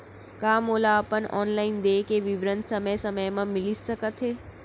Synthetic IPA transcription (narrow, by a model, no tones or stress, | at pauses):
kaːmoːlaəpənɔ̰ːnlaːɪnd̪eːkeʋɪʋɾənsɐməjsɐməjmãmɪlɪəkət̪ɦeː